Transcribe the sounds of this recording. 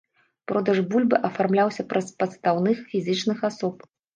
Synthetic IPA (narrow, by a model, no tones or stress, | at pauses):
pɾɔd̪ɐʐbulʲbɨʔɐfarmlʲawsʲɐpɾɐspɐt̪st̪awnɨxfʲizʲɨt͡ʂnɨxasɔp̚